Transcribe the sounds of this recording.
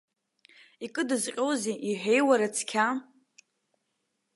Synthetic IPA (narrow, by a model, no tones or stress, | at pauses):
ikʼɨdɨzqʲʼowzeʔiħʷᶣejwaɾat͡sʰkʲʰa